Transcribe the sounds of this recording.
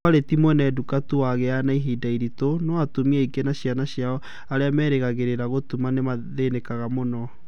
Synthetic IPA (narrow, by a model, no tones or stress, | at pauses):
aɾetimwɔnɛdukatuwaɣɛanaiɦidaiɾitonɔatomiɛikenaɕjanaɕjaɔ | aɾeamɛːɾeɣaɣeɾeɾaɣotumanemaðenekaɣamonɔ